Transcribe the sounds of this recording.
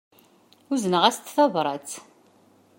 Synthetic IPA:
uzənəʁæst̪θɑvɾˤɑt͡s

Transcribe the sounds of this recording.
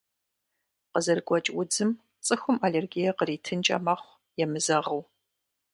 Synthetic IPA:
qəzɐrɡʷɔt͡ʃʼwʊd͡zɨm | t͡sʼɨxʷʊmaleːrɡijɐqəriːtʰɨnt͡ʃʼɐ̰mɐχʷ | jɛmɨzɐʁɐw

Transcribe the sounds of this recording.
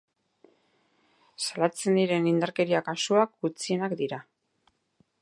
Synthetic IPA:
salat͡se̞nd̪iɾe̞nind̪aɾke̞ɾiakasuak̚ɡut͡sie̞nakd̪iɾa

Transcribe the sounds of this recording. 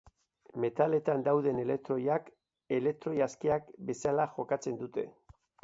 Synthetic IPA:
me̞t̪ale̞t̪and̪awðe̞ne̞le̞k̚t̪ɾo̞jak | e̞le̞k̚t̪ɾo̞jaskiakbe̞salaʝo̞kat͡se̞nd̪ut̪e̞̰

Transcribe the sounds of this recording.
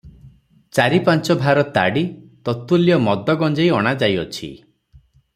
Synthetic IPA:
t͡ʃaɾipant͡ʃɔbʱaɾɔt̪a̰ɽit̪ɔt̪ulijɔmɔd̪ɔɡɔnd͡ʒejɔɽ̃ad͡ʒajɔ̰t͡ʃʰḭ

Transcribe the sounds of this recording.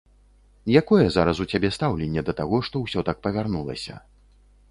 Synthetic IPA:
jakɔjɛzaɾɐsut͡sʲabʲɛst̪awlʲɛnʲːɛd̪ɐt̪aɣɔʂt̪ɔwsʲɔt̪ak̚pɐvʲarnulˠɐ̰sʲɐ̰

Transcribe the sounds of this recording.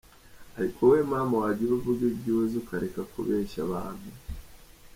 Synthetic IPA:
haɾikʰowe̞ːmaːmawaɟiɾuvuɡebɟiwezukaɾekakṵβeːʃaβa̰ːnu

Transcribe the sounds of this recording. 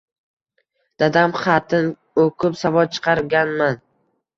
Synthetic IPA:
d̪̥ad̪amχɑt̪ʰɪn | okʰʊpsavɒt͡ʃʰɨ̥qʰɑɾɡʲanman

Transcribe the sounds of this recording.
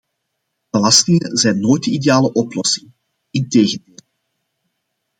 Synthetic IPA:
b̥əlɑstɪŋəzɛjnːoːjt̚dəideaːləʔɔplɔsɪŋ | ɪnteːɣəndeːl

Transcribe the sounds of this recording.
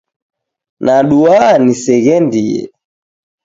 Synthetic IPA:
naɗuanisɛɣɛndijɛ̰

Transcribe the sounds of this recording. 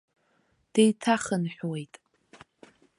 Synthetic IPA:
d̥ejtʰaχənħʷᶣwejtʼ

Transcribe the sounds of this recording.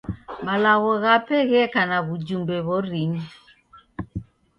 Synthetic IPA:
malaɣɔɣapɛɣɛkanaβud͡ʒumbɛβɔɾiɲi

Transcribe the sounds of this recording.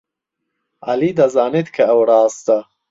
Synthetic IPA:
a̰lid̪azaːnet̪kʰɐːwɽɑːst̪a

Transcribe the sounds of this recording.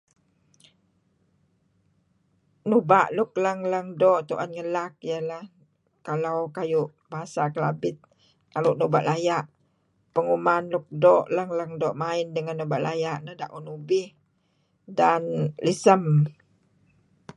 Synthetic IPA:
nubaʔluk̚ləŋləŋdoʔt̪uʔanŋəlak̚jəla | kalawkajuʔ | baɦasakəla̰bɪt̪̚ | aluʔnuba̰ʔlajaʔ | pəŋumanluk̚doʔləŋləŋdɔʔmaɪndəŋanːuba̰ʔlajaʔnəhda̰ʔunubɪh | danlisəm

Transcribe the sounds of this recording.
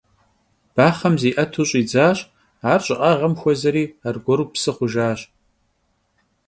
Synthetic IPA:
b̥aːχɐmziːʔɐtʰuːɕʼiːd͡zaːɕʼ | aːrɕʼɪʔʼaʁɐmxʷɔzɐɾiːarɡʷɔɾuːpsɨχʷʊʒaːɕʼ

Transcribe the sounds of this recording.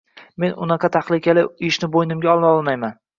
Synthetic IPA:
me̞nʊ̰nɑqʰɑt̪ʰaχlˠɪkʲalɪɪʃnɪbojnɪmɡʲaɒlˠɒlˠmajman

